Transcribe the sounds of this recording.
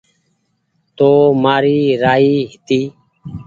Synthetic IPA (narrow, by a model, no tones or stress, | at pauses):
t̪oːmaːɾiːɾaːiːɦɪt̪iː